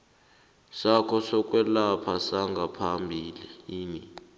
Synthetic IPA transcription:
sakʰɔsɔk̬ʼwɛlapʰasaŋɡʱapʰambʱiːliiːni

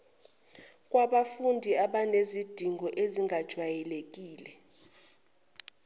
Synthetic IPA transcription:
kʼwaɓafundʱiaɓanezid̥ʱiŋɡʱɔʔeziŋɡʱad̥ʒ̥ʱwajɛlek̬ʼiːlɛ

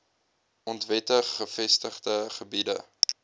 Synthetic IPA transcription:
ɔntvɛtəχːəfɛstəχdəχəbidə̰

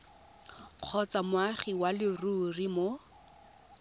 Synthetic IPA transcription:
q͡χʰɔt͡samʊaχiwalɪrurimo

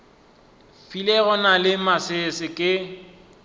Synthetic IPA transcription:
filɛɣɔnalɪmasɪsɪkʼɪ

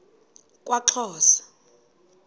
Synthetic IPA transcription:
kʼwaǁʰɔːsḁ

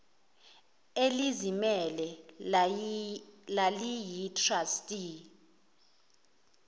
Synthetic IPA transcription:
elizimɛlɛ | lalijitʰrastʼi

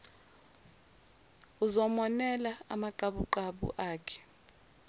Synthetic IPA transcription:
uzɔmɔnɛlaa̰maǃaɓuǃaɓṵʔaːkʰɛ̥

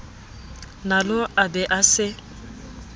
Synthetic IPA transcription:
nalʊʔabɪʔasɪ

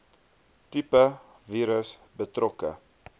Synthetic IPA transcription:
tipə | viːɾəsbətrɔkə̰

